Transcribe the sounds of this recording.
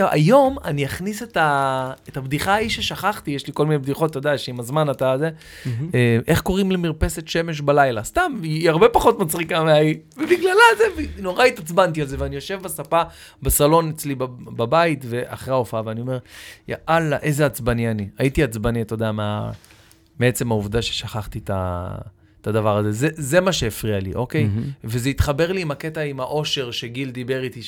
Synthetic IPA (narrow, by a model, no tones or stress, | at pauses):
a̰jo̞maniaχniset̪aetabd̪iχaːiʃeʃaχaχt̪ijeʃliko̞lminebd̪iχo̞t̪ːo̞d̪aʃeimazmanat̪aze̞ | eʔe̞χko̞ʁimlemiʁpe̞se̞t̪ʃe̞me̞ʃ̬balajlast̪amiaʁbe̞paχo̞t̪mat͡sʁikameaivebiɡlalazeveno̞ʁait̪at͡sbant̪ialzeveanijo̞ʃe̞vbasapabasalo̞net͡slibbabait̪ve̞ʔa̰χʁeaofaaveanio̞me̞ʁja̰ʔalːaʔe̞zeat͡sbanianiait̪iat͡sbaniat̪o̞d̪eamea̰ | meet͡se̞mhauvd̪aʃeʃaχaχt̪it̪a̰ | t̪ad̪avaʁaze̞zeze̞maʃeːfʁialḭʔo̞kejvezeit̪χabe̞ʁliːmaket̪aimaʔo̞ʃe̞ʁʃe̞ɡild̪ibe̞ʁit̪i